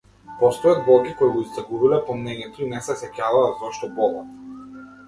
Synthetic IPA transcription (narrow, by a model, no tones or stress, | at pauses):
pɔst̪ɔjad̪̚bɔlˠkʲikɔiɡɔist̪aɡuvilɛpɔmnɛɲɛt̪ɔinɛsɛsɛcʲavaːzɔʃt̪ɔbɔlˠɔ